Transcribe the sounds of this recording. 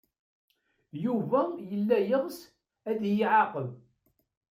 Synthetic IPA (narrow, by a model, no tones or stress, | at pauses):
juvæjəlːæjəʁs | æðjiʕaqəð